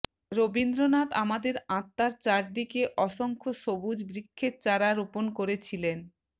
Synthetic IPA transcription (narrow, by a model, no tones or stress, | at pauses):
ɾobind̪ɾonat̪amad̪eɾãt̪ːaɾt͡ɕaɾd̪ikeʔɔʃoŋkʰoʃobud͡ʑbɾikʰːet͡ɕaɾaɾoponkoɾet͡ɕʰilen